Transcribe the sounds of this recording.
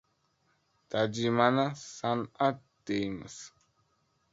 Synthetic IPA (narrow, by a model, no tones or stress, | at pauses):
tad͡ʒimanasana | dejmə̰s